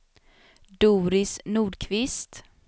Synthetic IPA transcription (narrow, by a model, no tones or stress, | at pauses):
d̪uːɾɪsnuːɖkʰvɪst̪